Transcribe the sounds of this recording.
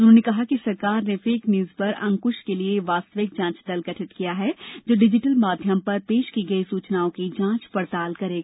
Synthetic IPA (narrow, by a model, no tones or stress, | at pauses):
ʊnɦõnekɐɦakisɐɾkaːɾnefeːknjuːzpɐɾʔɐ̃ŋkʊʃkelieʋaːst̪əʋɪk̚d͡ʒãːt͡ʃd̪ɐlɡɐʈʰɪt̪kijaɦɛd͡ʒoːɖɪd͡ʒɪʈəlmaːd̪ʱjəmpɐɾpeːʃkiɡɐisuːt͡ʃnaːõkid͡ʒãːt͡ʃpɐɾt̪aːlkɐɾeːɡaː